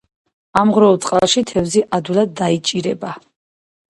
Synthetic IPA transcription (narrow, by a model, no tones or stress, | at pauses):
amʁɾɔɔlˠtsʼqʼalʃit̪ʰɛvziʔad̪ulad̪ːait͡ʃʼiɾɛba